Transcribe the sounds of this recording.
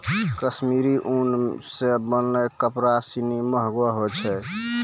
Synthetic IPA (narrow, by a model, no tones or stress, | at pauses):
kəsmiɾiʔunsebənlekəpɾasiniməɦɡwaɦot͡ʃʰɛ